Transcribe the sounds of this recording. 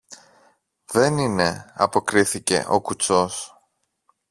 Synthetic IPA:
ðe̞nine̞ɐ̰po̞kɾiθice̞̰ʔo̞kut͡so̞s

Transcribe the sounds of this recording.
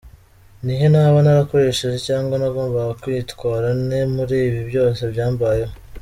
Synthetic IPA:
nihenaːβanaɾako̞ɾe̞ʃeʒe̞caːŋɡwanaɡo̞ːmbaɡakwiːtkwaːɾane̞muɾiːβibjo̞ːse̞bjaːmbaje

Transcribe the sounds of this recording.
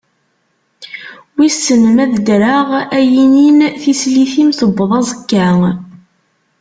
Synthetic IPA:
wisənəmæðd̪ɾaʁæjininθisliθimθəbːəðˤɑzəkːæŋ

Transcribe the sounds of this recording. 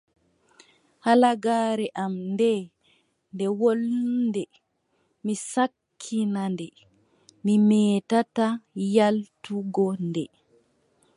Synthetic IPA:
halaɡaːɾɛʔamndɛ | ndɛwolndɛ | misakʰːinandɛ | mimɛːtatajaltuɡɔndɛ

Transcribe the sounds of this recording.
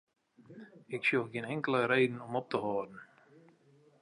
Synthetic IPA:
ɪksjɔxɡɪənɛŋkələɾejdən̩ɔmɔp̚təɦɔːdən̩

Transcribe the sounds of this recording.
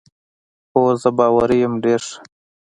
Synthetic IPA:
xoːzəbɑːwaɾijəmɖeːɾʂ

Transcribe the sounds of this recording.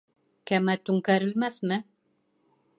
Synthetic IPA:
kæmæt̪ʉŋkæɾɘ̆lmæθmɘ

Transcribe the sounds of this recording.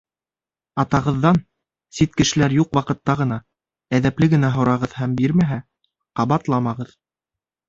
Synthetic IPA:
ɑt̪ɑʁɤ̆ðːɑn | sit̪kɘ̆ʃɘ̆læɾjuqwɑqɤ̆t̪ːɑʁɤ̆nɑ | æðæplɘɡɘ̆næɦŏɾɑʁɤðhæmbiɾmæɦæ | qɑβɑt̪lˠɑmɑʁɤð

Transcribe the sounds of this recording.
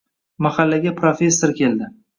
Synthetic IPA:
maχalːaɡʲapʰɾofe̞sːoɾkʲʰe̞ld̪ɪ

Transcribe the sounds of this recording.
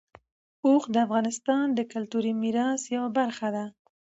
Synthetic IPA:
oxd̪əafɣɑnɪst̪ɑnd̪əkalt̪uɾimiɾɑsjawabaɾxad̪a

